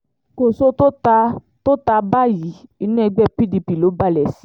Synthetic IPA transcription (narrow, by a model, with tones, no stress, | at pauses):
ko˨so˦to˦ta˧ | to˦ta˧ba˦˨ji˨˦i˧nũ˦ɛ˧ɡ͡bɛ˦˨pi˦di˧pi˨lo˨˦ba˦˨lɛ˨si˨˦